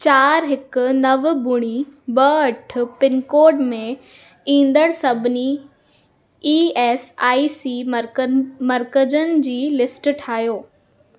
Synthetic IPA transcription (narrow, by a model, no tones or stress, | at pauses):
t͡ɕaːɾɦɪkʊ̆nɐʋbʊɽ̃ibɐɐʈʰʊ̆pɪnkoːɾɖmẽ | ĩːn̆d̪əɽ̃sɐbʱɪni | iːɛːsaːisiːmɾmɐɾkəd͡ʑənɪ̆d͡ʑiːlɪsʈʈʰaːɦjoː